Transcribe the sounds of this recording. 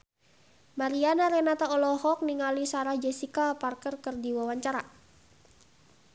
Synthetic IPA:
maɾianaɾɛnat̪aɔlɔhɔk̚niŋalisaɾahd͡ʒɛsikaparkərkərdiwawaɲt͡ʃaɾa

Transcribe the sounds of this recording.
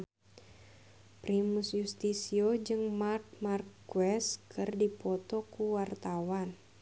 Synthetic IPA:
pɾimusjust̪isiod͡ʒɨŋmark̚markːuwɛskɨrdipɔt̪ɔkuwart̪awan

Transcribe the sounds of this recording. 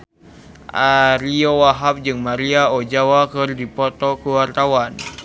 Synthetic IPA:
ʔaɾiowaɦap̚d͡ʒɨŋmaɾiaod͡ʒawakɨrdipɔt̪ɔkuwart̪awan

